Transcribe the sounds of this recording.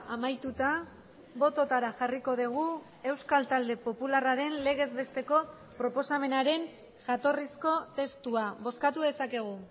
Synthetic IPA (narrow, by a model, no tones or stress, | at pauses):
amajt̪ut̪a | bo̞t̪o̞t̪aɾaxariko̞ðiɣ̞u | e̞wskalt̪ald̪e̞po̞pularaɾe̞nle̞ɣ̞e̞zβe̞st̪e̞ko̞ | pɾo̞po̞same̞naɾe̞n | ʝat̪o̞risko̞t̪e̞st̪uaβo̞skat̪uðe̞sake̞ɣ̞u